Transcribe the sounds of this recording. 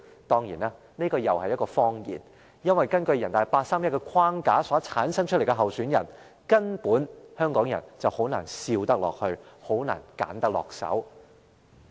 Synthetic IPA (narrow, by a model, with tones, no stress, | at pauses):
t̪ɔː˥ŋjḭː˨˩naː˧ | ne˥kɔː˧jɐ˨whɐ˨jːɐ˥t̚kɔː˧fɔː˥ŋjḭː˨˩n | jɐ˥nwɐ˨jkɐ˥nkɵ˧ɥjɐ˨˩nt̪aː˨˩jpaː˧t̚saː˥mjɐ˥kɛː˧kʰwaː˥ŋkaː˨˥sɔː˨˥t͡sʰaː˨˥nsɐ˥ŋt͡ʃ̚ʰle˨˩kɛ˧ɦɐ˨wsyː˨˥njɐ˨˩n | kɐ˥npuː˨˥nhœː˥ŋkɔː˨˥ŋjɐ̰˨˩nt͡sɐ˨who˨˥wna̰ː˨˩nsiː˧wt̪ɐ˥k̚lɔ̰ː˨k̚hɵ˧ɥho˨˥wna̰ː˨˩nka̰ː˨˥nt̪ɐ˥k̚lɔ̰ː˨k̚sɐ̰˨˥w